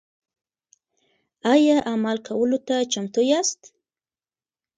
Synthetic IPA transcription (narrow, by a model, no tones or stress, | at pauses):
ajaʔamalkʰawəlot̪at͡ʃamt̪ojast̪